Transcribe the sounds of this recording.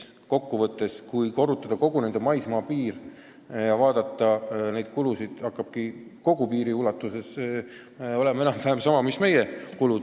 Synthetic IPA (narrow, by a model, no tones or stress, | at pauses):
ko̞kːuvɤt̪ːˑe̞skujko̞rut̪ːˑɑd̪̥ɑko̞ɡ̥une̞nd̪̥emɑjsmɑːpiːɾ | jɑvɑːd̪̥ɑt̪ˑːɑne̞jd̪̥̚kulusid̪̥hɑkːˑɑb̥̚kiko̞ɡ̥upiːɾiulɑt̪ːˑuse̞s | o̞le̞me̞nɑmpæːmsɑmɑmisme̞jekulu